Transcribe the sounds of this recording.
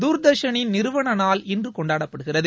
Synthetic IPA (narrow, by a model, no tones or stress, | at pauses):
d̪uːɾd̪ɐɾʂɐnɪnnɪɾɯʋɐɳɐnaːlɪndrɯkɔɳɖaːɽɐpːɐɽɯɣɪrɐðɯ